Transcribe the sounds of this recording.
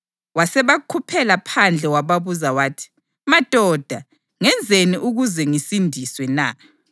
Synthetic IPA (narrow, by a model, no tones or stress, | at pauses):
wasɛβakʰupʰɛlapʰand͡ɮʱɛwaβaβuzawaːtʰi̥ | mad̥ʱɔd̥ʱa | ŋɛnd͡zʱeniʔuɣuzɛŋisindʱiswɛna̰